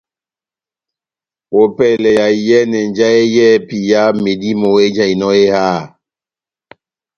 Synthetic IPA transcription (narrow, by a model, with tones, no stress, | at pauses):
o˨pɛ˦˨lɛ˨ja˨jɛ˦nɛ˨n˦d͡ʒa˦e˦jɛ˦˨pi˨ja˦me˨di˦mɔ˨e˦d͡ʒa˦i˨nɔ˦e˦haː˦˨